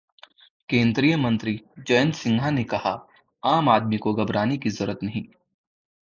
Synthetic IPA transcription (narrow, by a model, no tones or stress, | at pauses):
kẽːnd̪ɾijəmɐ̃nt̪ɾid͡ʒɐjə̃nsɪ̃ŋɡʱanekɐha | aːmaːd̪mikoɡɐbɾaːnikizɐɾət̪nɐɦĩː